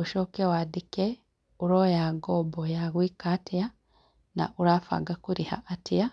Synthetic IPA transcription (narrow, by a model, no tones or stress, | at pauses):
uʃoːkewadike | uɾojaɡobojaɣwiːkatʰija | na̰ʔuɾaːfa̰ːɡakuɾiha̰ʔatija